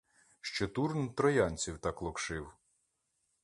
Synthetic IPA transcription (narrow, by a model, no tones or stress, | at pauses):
ʃt͡ʃɔt̪uɾnt̪ɾɔjɑnʲt͡sʲiwt̪ɑklˠɔkʃɪw